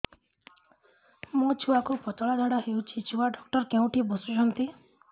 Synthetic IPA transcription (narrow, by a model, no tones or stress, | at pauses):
mũt͡ʃʰuakupɔt̪ɔɭad̪ʱaɽaɦewt͡ʃʰit͡ʃʰuaɖɔk̚ʈɔɾkeũʈibɔsut͡ʃʰɔnt̪i